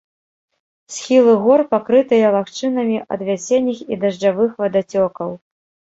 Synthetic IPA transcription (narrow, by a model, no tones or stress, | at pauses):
sʲxʲilˠɨɣɔrpakɾɨt̪ɨjɐlˠaxt͡ʂɨnɐmʲiʔɐ̰d̪vʲasʲenʲːixid̪ɐʐd͡ʐavɨxvɐd̪at͡sʲɔkɐw